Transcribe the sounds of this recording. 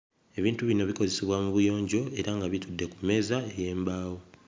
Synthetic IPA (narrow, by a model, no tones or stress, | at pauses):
e̞βiːntuβino̞βiko̞zesiβwamuβujo̞ːɲɟo̞e̞ɾaŋɡaβitudːe̞kumːe̞ːzaejeːmbaːwo